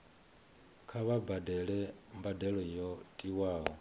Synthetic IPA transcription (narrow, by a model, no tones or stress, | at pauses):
kʰaβabadɛlɛmbadɛɺɔjɔtʼiwaːɦɔ